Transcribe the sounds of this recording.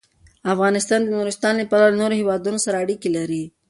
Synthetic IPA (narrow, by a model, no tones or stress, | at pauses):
afɣɑnɪst̪ɑnd̪ənuɾɪst̪ɑnləpalawlnoɾohewɑd̪unosaɾaːɽikilaɾi